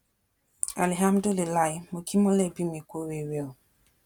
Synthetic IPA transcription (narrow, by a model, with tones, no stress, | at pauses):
a̰˨li˨ɦa˦mdo˦le˨la˦˨jmo˨ki˦mɔ˦lɛ˦˨bi˦mi˨kʷo˦we˨we˦˨